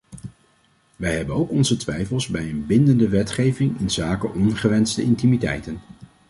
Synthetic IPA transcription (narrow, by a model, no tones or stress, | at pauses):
ʋɛjɦɛbənowkɔnzətʋɛjfəlˠzbɛjənbɪndəndəʋɛtχejvɪŋɪnzaːkəʔɔnχəʋɛntstəɪntimitɛ̰jtən